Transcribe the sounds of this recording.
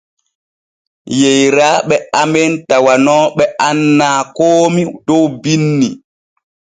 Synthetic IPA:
jejɾaːɓɛamɛntawanɔːɓɛʔanːaːkoːmidɔwbinːi

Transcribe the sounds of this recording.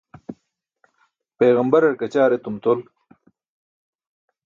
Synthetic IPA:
peːɣɐmbɐɾɐɾkɐt͡ɕaːɾet̪umt̪ol

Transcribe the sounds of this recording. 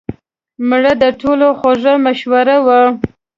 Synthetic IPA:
mɽəd̪əʈʰoloxoʐamaʃwaɾawə

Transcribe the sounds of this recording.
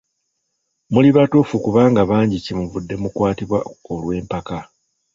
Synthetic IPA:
muliβatofukuβaːŋɡaβaːɲɟicimuvudːe̞mukwaːtiβwaolwe̞ːmpaka

